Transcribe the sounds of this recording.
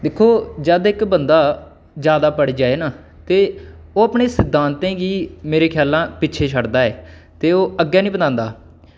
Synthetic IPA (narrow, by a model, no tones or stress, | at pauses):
d̪eːkʰːoːd͡ʒəd̪ɪkbənd̪aː | d͡ʒjaːd̪aːpəɽiːd͡ʒaːeːnaː | t̪eː | oːəpɳeːsɪd̪ʱːãːnt̪ẽːɡiːmeːɾeːkʰjaːlãːpɪːʃʰeːt͡ʃʰəɽd̪aːɛː | t̪eːoːəɡːaːnĩːbəd̪ãːnd̪aː